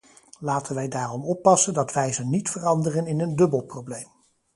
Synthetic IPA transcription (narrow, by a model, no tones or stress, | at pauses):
laːtənʋɛjdaːrɔmɔpːɑsəndɑtʋɛjzənitfərɑndərənɪnəndɵbəlˠprowblejm